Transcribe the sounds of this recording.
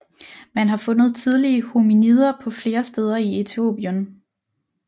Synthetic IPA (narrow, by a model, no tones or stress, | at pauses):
mænɦɑ̈fɔ̽nð̩ˠt͡sʰið̞ˠliəhuminið̰ˠɐpʰɒ̽fle̝ːɐsd̥eːð̞ˠɐie̝t͡sʰio̝̰b̥jən